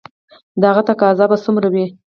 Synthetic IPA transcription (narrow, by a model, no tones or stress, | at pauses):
d̪əaɣat̪akɑzɑbasumɾawi